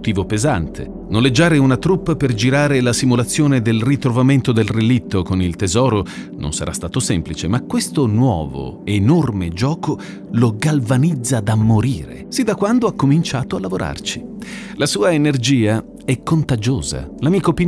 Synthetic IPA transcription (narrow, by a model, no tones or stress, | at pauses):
t̪iːvopezant̪ʰḛ | nonled͡ʒːaːɾeunat̪ɾupːaperd͡ʒiɾaːɾelasimulat̪sːjoːned̪elrit̪ɾovament̪od̪elrelit̪ʰːokonilt̪ezɔːɾo | nʔo̰nsa̰ɾa̰st̪aːt̪osɛmplit͡ʃemakːwest̪onwɔ̰ːvo̰enormed͡ʒɔːko | loɡalvanid̪zːad̪amːoɾḭːɾḛsid̪akːwand̪oakːomint͡ʃaːt̪oalːavoɾʔa̰rt͡ʃi̥lasuːaenerd͡ʒiːa | ɛkːont̪ad͡ʒo̰ːza̰lamiːkopi